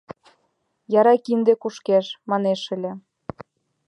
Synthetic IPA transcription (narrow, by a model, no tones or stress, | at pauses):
jɑɾɑkind̪ekuʃkeʃmɑneʃɘ̆lʲĕ